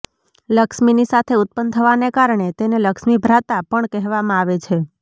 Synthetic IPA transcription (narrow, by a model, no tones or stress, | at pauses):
ləkʃminisat̪ʰeʊt̪̚pənt̪ʰəʋanekaɾɳ̃et̪eneləkʃmibʱɾat̪apəɳkɛɦʋamãaʋet͡ʃʰe